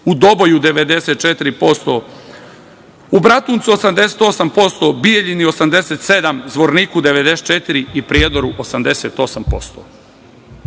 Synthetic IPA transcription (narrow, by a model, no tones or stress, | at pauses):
ud̪o̞bo̞jud̪e̞ʋe̞d̪e̞set̪̚t͡ʃet̪iɾipo̞st̪o | ubɾat̪uːnt̪suo̞samd̪e̞set̪o̞sampo̞st̪o̞bijeʎinio̞samd̪eseːt̪se̞d̪amzʋo̞ɾniːkud̪e̞ʋe̞d̪ese̥t̪̚t͡ʃet̪iɾiipɾjeːd̪oɾuʔosamd̪eseːt̪o̞sampo̞st̪o̰